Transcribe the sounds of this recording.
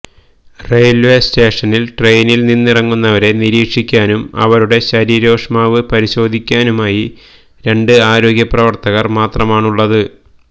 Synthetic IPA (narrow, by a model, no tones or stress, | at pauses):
rejlʋeste̞ːʂɐnilʈrejnilninːirɐŋːunːɐʋɐɾe̞niɾiːkʂikʲːaːnumɐ̰ʋɐɾuɽe̞ɕɐɾiɾo̞ːʂmaːʋɨpɐɾiɕo̞ːd̪ʱikʲːaːnumaːji | ɾe̞ɳɖɨaːɾo̞ːɡʲjɐprɐʋɐrt̪ɐɣɐrmaːt̪rɐmaːɳuɭːɐðɨ